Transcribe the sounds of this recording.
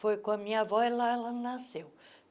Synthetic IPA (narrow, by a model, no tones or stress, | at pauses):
fojkõɐmĩɲɐvɔɪlaɛlɐnasew